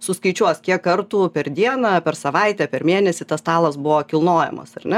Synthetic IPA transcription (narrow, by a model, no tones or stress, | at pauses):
sʊskɐɪt͡ʃʲuɔskʲiɛkːɐrt̪uːpʲɛrd̪ʲiɛnɐpʲɛrsɐʋɐɪt̪ʲæpʲɛɾmʲeːnʲɛsʲɪt̪ɐst̪ɑːlˠɐsbʊʋoːkʲɪlˠnoːjɛ̰mɐ̰sɐrnʲɛ